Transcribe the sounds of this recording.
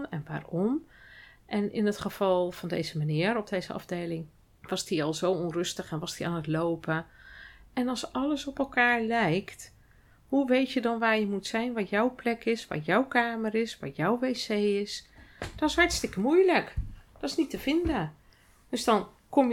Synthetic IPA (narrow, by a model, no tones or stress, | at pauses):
ɛnʋa̰ːrɔm | ʔɛnɪ̰nətχəv̥ɑlˠv̥ɔndḛjzəmanɪːəɾɔb̚dejzəɑ̰fdeːlɪŋ | ʋɑsdiɔlˠzowɔnrøstəχɛnʋɑsdia̰ːnətlowpʰə | ʔɛnɑlsɑləsɔpɛlˠkaːɹlɛjkt | huʋejtjədɔnʋaːɹjəmutsɛjnʋɔtjɔwplɛkɪsʋa̰jɔwkaːmərɪsʋa̰jɔwʋeːsejɪsd̥ɔtɪshaɹtstɪkəmujləkd̥ɔɪsnitəvɪndə | d̥øsdɔn | komj